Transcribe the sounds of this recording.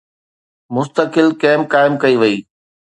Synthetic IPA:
mʊst̪əkɪlkɛːmkaːɪmkɐiʋɐiː

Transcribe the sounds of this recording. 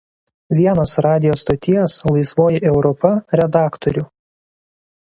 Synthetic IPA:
ʋʲiɛnɐsɾɑːd̪ʲɪjoːst̪ot̪ʲɪjɛslˠɐɪsʋoːjɪʔɛʊɾɔpɐɾʲɛd̪ɑːkt̪ɔɾʲʊ

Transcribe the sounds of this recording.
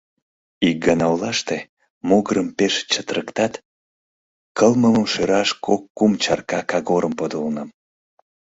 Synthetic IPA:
ik̚ɡɑnɑolɑʃt̪e | moɣəɾəmpeʃt͡ɕət̪ɾəkt̪ɑt̪ | kəlməməmʃeɾɑʃkʰokːumt͡ɕɑrkɑkɑɣoɾəmpod̪olnəm

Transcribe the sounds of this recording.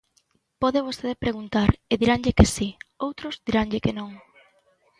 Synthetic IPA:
pɔðeβ̞ost̪eðepɾeɣ̞unt̪aɾeðiɾaŋʎekesiowt̪ɾʊzðiɾaŋʎɪkenõŋ

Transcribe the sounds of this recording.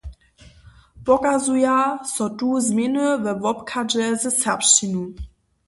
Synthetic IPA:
b̥ɔkazujasɔtuzmɪnəvɛvɔpkʰad͡ʒɛzət͡sɛpʃinu

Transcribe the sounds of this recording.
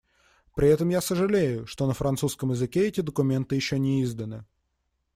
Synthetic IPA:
pɾʲɪɛt̪əmjasəʐɨlʲejʊʂt̪o̞nəfɾɐnt̪suskəmjɪzɨkʲeɛtʲɪd̪əkʊmʲe̞nt̪ɨjɪɕːonʲɪizd̪ənɨ

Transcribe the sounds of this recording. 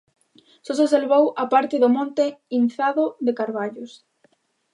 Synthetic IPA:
soseselβowapaɾt̪ɪðʊmɔ̃nt̪ɪinθaðʊðɪkaɾβaʎʊs

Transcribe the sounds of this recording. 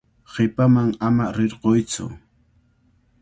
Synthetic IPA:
ɢɪpamaŋamaɾɪɾqojt͡sʊ̰

